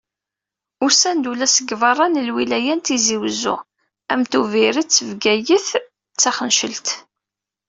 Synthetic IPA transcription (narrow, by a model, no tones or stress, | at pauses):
ʊɾsænd̪ulæsəɡvɑrˤːɑnəlwilæjænt̪iziwzṵ | æmt̪uviɾət͡sːəvɡæjəθ | t͡sːæχənʃəlt̪